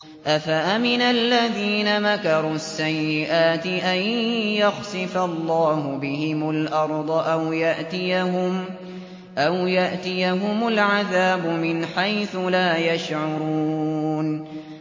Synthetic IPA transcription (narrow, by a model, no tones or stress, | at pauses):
ʔafaʔamɪnalːaðiːnamakɑɾˤuːasːajːɪʔaːt̪ɪʔanjaxsɪfalˤːɑːhʊbɪhɪmʊlʔɑɾˤd̪ˤʔawjaʔt̪ɪjaɦʊm | ʔawjaʔt̪ɪjaɦʊmʊlʕaðaːbʊmɪnħajθʊlaːjaʃʕʊɾˤuːn